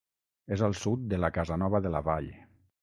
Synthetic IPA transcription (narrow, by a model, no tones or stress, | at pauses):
ezəlˠsut̪̚d̪əlakazanɔβəðəla̰βaʎ